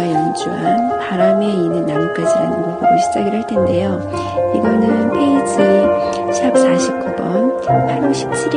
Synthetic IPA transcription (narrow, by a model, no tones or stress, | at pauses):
ajʌnd͡ʑuɦanpaɾame̞inɯnːaɾok͈ad͡ʑiɾa̰nɯnɡoɡʰɯɾoɕʰid͡ʑaɡiɾɯɭtʰende̞jo | iɡʌnɯnpʰeisʰɯ | ɕʰap̚saɕʰib̚k͈ʰobʌ̰npʰaɾoɕʰi̥p̚t͡ɕʰiɾ